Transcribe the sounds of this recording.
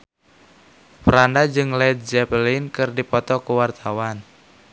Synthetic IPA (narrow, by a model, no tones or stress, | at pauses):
pəɾandad͡ʒɨŋlɛd̪̚d͡ʒɛpəlinkɨrdipɔt̪ɔkuwart̪ʰawan